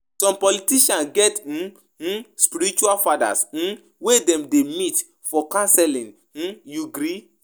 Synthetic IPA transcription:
sɔ̃mpɔlitiʃãnɡɛt̩ | spiɾit͡ʃualfada̰sn̩ | wedɛ̃mdemit | fɔkãnsɛlĩn | n̩juɡɾi

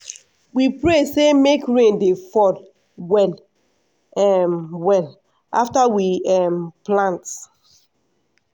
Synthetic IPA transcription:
wipɹesemekɹẽndefɔd | wɛl | ɛmwɛl | ʔaftawiɛmplãnt

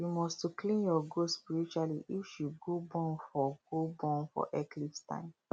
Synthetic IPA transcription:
jumɔstuklĩnjɔɡospiɹit͡ʃualiʔifʃud̚ɡobɔ̃nfɔɡ̥obɔ̃nfɔ̰ʔɛklifstã̰ɪ̃m

